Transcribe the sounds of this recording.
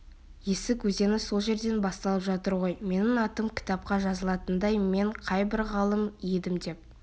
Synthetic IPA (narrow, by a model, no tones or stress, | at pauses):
jesɪkwɵze̞nɪso̞lˠʒe̞ɾd̪e̞nbɑst̪ɑlˠəpʒɑt̪əɾʁo̞jme̞nɪŋɑt̪əmkʲʰɪ̥t̪ɑp̚qɑʒɑzəlˠɑt̪ənd̪ɑjme̞ɴqʰɑjbɪɾʁɑlˠəmijd̪ɪmd̪e̞p̚